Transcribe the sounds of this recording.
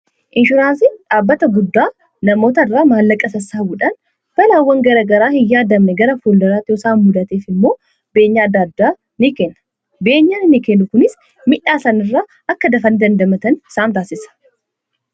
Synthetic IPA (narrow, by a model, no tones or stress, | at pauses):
ʔɪnʃʊɾaːnsɪᶑaːbːɐt̪ɐɡʊd̪ːaː | nɐmo̞ːt̪ɐrːaːmaːlːɐkʼːɐsɐsːaːwʊᶑɐn | b̥ɐlawːɐŋɡɐɾɐɡɐɾaːhɪjːaːd̪ɐmnɛɡɐɾɐfoːld̪ɐɾaːt̪ɪɔsaːnmʊd̪ɐt̪eːfɪmːo̞ː | be̞ːɲːaːd̪ːad̪ːaː | nɪkeːnːɐ̥ | be̞ːɲːaːnnɪkeːnːʊkʊnɪs | mɪᶑaːsɐnɪrːaː | ɐkːɐd̪ɐfɐnd̪ɐnd̪ɐmɐt̪ɐnɪsaːnt̪aːsɪsɐ̥